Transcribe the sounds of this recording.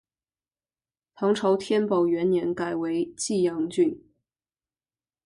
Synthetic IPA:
t̪ʰɑ˧˥ŋʈ͡ʂʰɑ˧˥ʊt̪ʰjɛ˥npɑ˨˩ʊɥɛ˧˥nnjɛ˧˥nka˨˩ɪwe˧˥ɪt͡ɕi˥˩jɑ˧˥ŋt͡ɕy˥˩n

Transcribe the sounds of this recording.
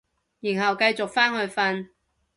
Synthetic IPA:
jiː˨˩nɦɐ˨˩wkɐ˧jt͡sʊ˨k̚faː˥nhɵ˧ɥfɐ˧n

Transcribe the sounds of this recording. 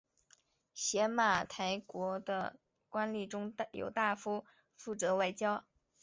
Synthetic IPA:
ɕjɛ˧˥ma˥˩t̪ʰa˧˥ɪkwɔ˧˥d̪ə̰˧ | kwa˥nli˨˩ʈ͡ʂʊ˥ŋjo̰˨˩ʊt̪a˥˩fu˥ | fu˥˩t͡sɤ˧˥wa˥˩ɪt͡ɕjɑ˥ʊ

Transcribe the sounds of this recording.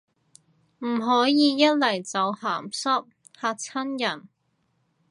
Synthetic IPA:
m̩˨˩ɦɔː˨˥jiː˨˧jɐ˥t̚lɐ˨˩jt͡sɐ˨˧whaː˨˩msɐ˥p̚ | haː˧k̚t͡sʰɐ˥njɐ˨˩n

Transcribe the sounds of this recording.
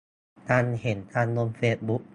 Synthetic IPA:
t̪ʰaː˧nhe˩˦nt̪ʰaː˧nlo˧mfeː˧˥t̪̚bu˦˥k̚

